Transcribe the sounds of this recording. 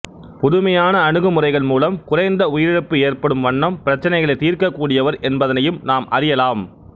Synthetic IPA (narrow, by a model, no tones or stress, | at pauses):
pʊðɯmɐjaːnɐːɳɯɣɯmʊrɐɪɣɐɭmuːlɐmkʊrɐɪnd̪ɐʊjɪɾɪɾɯpːɯeːrpɐɽɯmʋɐɳːɐmpɪɾɐt͡ʃːɐnɐɪɣɐɭɐɪt̪ːiːɾkɐkːuːɽɪjɐʋɐɾʔɛnbɐðɐnɐjɯmnaːmʔɐ̰ɾɪjɐlaːm